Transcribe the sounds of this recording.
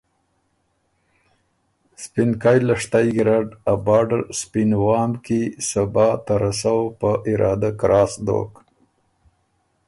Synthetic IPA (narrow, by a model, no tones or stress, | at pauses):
spɪnkɑjlaʂt̪ajɡɾaɖabɑːɖaɾspinwɑːmkisabɑːt̪aɾasawpəʔɪɾʔɑːd̪akɾɑːsd̪o̰k